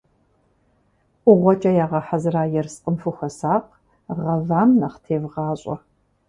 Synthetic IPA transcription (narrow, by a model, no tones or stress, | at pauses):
ʔʷʊʁʷɔt͡ʃʼɐjaːʁɐħazɨraːjɛrsqʼəmfɨxɐsaːq | ʁɐvaːmnɐχtʰeːvʁɑːɕʼɐ̰